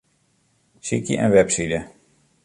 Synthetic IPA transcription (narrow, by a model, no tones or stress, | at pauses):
sikiʔɛ̰nʋɛpsidə